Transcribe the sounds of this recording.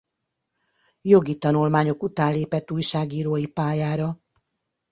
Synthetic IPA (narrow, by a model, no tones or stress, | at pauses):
jo̞ɡit̪ɒnulmaːɲo̞kut̪aːnleːpɛt̪ːuːjʃaːɡiːɾoːjipaːjaːɾɒ